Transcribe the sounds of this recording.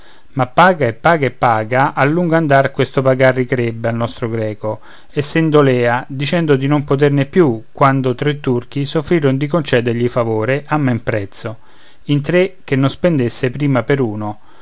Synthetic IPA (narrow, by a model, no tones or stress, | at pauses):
mapːaːɡaepːaːɡaepːaːɡaʔalːuŋɡoand̪arkwest̪opaɡarːikɾɛbːealnɔst̪ɾoɡɾɛːko | esːɛnd̪olɛːad̪it͡ʃɛnd̪od̪inompot̪̬ernepːjukːwand̪ot̪ɾet̪ːurk̟isofːɾiːɾond̪ik̬ont͡ʃɛːd̪eɾʎifavoːɾeʔamːampɾɛt̪sːo | int̪ɾek̟ːenːonspend̪esːepɾiːmapeɾuːno